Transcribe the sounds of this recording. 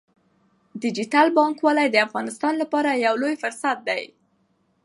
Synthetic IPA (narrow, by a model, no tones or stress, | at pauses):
d̪ɪd͡ʒitalbɑŋkwɑlajd̪əafɣɑnɪst̪ɑnlapɑɾajawlojfʊɾsat̪̚d̪aj